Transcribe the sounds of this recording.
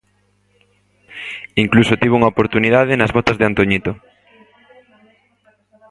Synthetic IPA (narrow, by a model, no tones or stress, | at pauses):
iŋklusot̪iβuŋaopoɾt̪uniðað̞ɪnɐzβot̪ɐzðeant̪oɲit̪o